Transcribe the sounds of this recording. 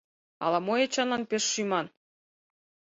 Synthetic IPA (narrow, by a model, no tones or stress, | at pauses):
ɑ̰lɑmojet͡ɕɑnɑnpeʃːymɑn